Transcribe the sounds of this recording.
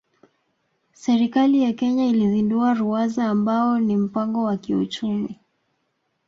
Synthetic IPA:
sɛɾikalijakɛɲailizinduaɾuazaːmbaɔnim̩paŋɡɔwakiṵt͡ʃumi

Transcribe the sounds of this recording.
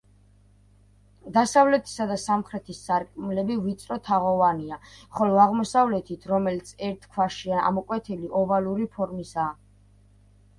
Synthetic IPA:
d̪asavlɛt̪ʰi̥sad̪asamχɾɛt̪ʰisːaɾkʼmlɛbivit̪sʼɾɔt̪ʰaʁɔvaniaχɔlɔaʁmɔsavlɛt̪ʰit̪ʰɾɔmɛlit̪sʰɛɾt̪ʰkʰwaʃiaa̰mɔkʼwɛt̪ʰiliʔɔvaluɾipʰɔɾmisaː

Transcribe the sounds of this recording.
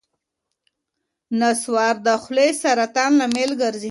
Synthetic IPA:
naswɑɾd̪əxlesaɾat̪ɑnlamelɡaɾzi

